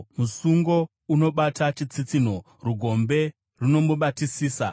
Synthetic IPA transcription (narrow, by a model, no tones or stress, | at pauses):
musuŋɡo̞ | uno̞ɓatat͡ʃit͡sit͡sin̤o̞ | ruɡʱo̞mbe̞ | runo̞muɓatisiːsa̰